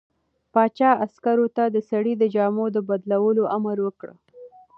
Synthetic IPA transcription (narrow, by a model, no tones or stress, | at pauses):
pɑt͡ʃɑaskaɾot̪ad̪əsaɽid̪əd͡ʒɑmod̪əbad̪lawəloʔamaɾwəkɽə̰